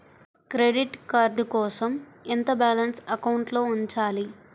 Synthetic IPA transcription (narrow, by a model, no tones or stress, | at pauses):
kɾeɖiʈkaɾɖkɔːsɐment̪ɐbaːlɐnsɐkɐwɳʈlo̞ːuɲt͡ʃaːli